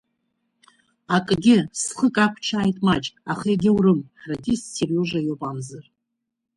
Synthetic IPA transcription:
akʼɡʲɪsχəkʼakʷʰt͡ʃʰaːjtʼmat͡ʃʼaχeɡʲɪwrɨmħradisserjoʒʷajopʼamzɨr

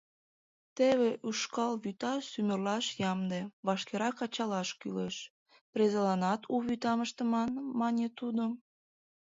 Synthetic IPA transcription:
t̪eβeʔyʃkɑlβyt̪ɑsymərlɑʃjɑmd̪eβɑʃkeɾɑkɑt͡ɕɑlɑʃkyleʃ | prezelɑnɑt̪ʰuβyt̪ɑməʃt̪ə̆mɑnmɑnʲet̪ud̪o

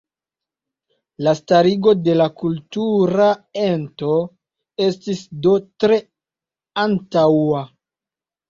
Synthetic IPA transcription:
lastaɾiɡo̞de̞lakultuɾae̞nto̞ | e̞stisdo̞tɾe̞ | antawa

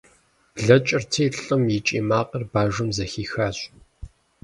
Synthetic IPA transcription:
ɮɐt͡ʃʼɪrtʰɐːɬɬʼɨmjit͡ʃʼḭːmaːqʼɐrbaːʒʷʊmzɐxiːxaːɕʼ

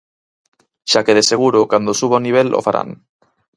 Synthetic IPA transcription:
ʃakeðeseɣ̞uɾokand̪osuβ̞oniβ̞elo̰faɾʔa̰n

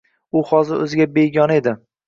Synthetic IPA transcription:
ʊhɒzɪɾɵ̰zɪɡʲabejɡʲɒne̞d̪ɪ

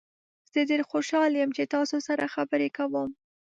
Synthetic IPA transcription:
z̥ədeɾxoʃɑljəmt͡ʃet̪ɑsosaɾaxabəɾekawəm

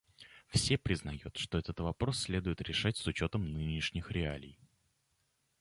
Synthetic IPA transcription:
fsʲe̞pɾʲɪznɐjut̪ʂt̪o̞ɛt̪ət̪vɐpɾo̞sːʲlʲe̞d̪ʊjɪt̪ɾʲɪʂatʲsʊt͡ɕo̞t̪əmnɨnʲɪʂnʲɪxɾʲɪalʲɪ̰j

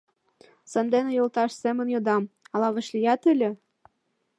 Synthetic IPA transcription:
sɤ̆nd̪enĕjolt̪ɑʃsemə̆njod̪ɑmɑlɑβə̆ʃlijɑt̪ɘ̆lʲĕ

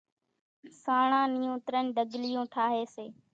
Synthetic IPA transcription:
saːɳãːnɪjũːt̪ɾənɖəɡlɪjõːʈʰaːɦeːseː

